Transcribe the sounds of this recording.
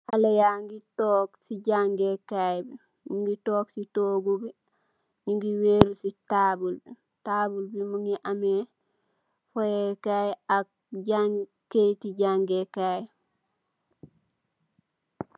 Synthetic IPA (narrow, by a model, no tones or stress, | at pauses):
halajaŋɡitɔːksiɟaŋɡekajbi | ɲiŋɡitoːksitoːɡubi | ɲiŋɡiweːɾusitaːbulbi | tabulbimuŋiʔame | fojekajak̚ | ɟaŋ | ketiɟaŋɡekaj